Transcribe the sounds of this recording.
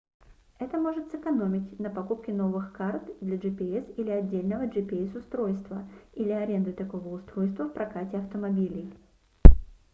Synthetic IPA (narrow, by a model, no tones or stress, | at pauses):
ɛt̪əmo̞ʐɨt̪sɨkɐno̞mʲɪtʲnəpɐkupkʲɪno̞vɨxkart̪d̪lʲɐʐɨpʲɪɛsilʲɪɐdʲːelʲnəvəʐɨpʲɪɛsʊst̪ɾo̞jst̪vəilʲɪɐɾʲe̞nd̪ɨt̪ɐko̞vəʊst̪ɾo̞jst̪vəfpɾɐkatʲɪɐft̪əmɐbʲilʲɪj